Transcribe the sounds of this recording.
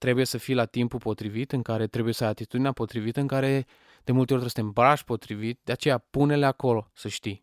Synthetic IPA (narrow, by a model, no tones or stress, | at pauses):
t̪ɾe̞buje̞səfijlat̪impupo̞t̪ɾivit̪ɨŋkaɾe̞t̪ɾe̞buje̞səajat̪it̪ud̪ineapo̞t̪ɾivit̪əɨŋkaɾe̞ | d̪̥e̞mult̪eort̪ɾesət̪embaʃʲpo̞t̪ɾivit̪d̪eat͡ʃe̞japune̞leako̞lo̞səʃt̪ij